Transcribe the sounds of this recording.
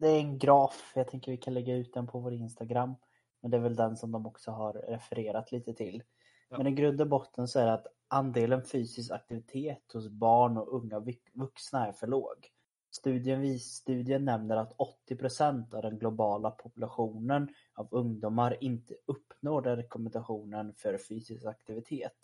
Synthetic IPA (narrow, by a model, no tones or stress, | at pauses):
d̪ɛæɾɛnɡɾɑːfjɑt̪ʰɛŋkəɾvɪkʰanlɛɡːaʉ̟ːt̪̚d̪ɛnpʰɔvoːɾɪnst̪aɡɾamː | mɛnd̪ɛæɾvɛld̪ɛnsɔmd̪ɔmɔksɔɦaɾːɛfɛɾeːɾat̪liːt̪ət̪ʰɪl | mɛnɛɡɾɵnd̪avbɔt̪ʰːənsɔæɖɛat̪ | ʔand̪eːlənfyːsɪs̬ka̰k̚t̪ɪvɪt̪ʰeːt̪hʊsbɑːɳɔɵŋːa | vɵksnaæɾfœɭo̰ːɡ | st̪ʉ̟ːd̪ɪənvist̪ʉ̟ːd̪ɪənːɛmnəɾat̪ʰɔt̪ːɪpʰɾʊsɛnt̪avd̪ɛnɡlʊbɑːlapʰʊpɵlaɧuːnən | avɵŋd̪uːmaɾɪnt̪ʰəɵpːnoːɖɛnɾɛkɔmɛnd̪aɧuːnənfœɾfyːsɪskak̚t̪ɪvɪt̪ʰeːt̪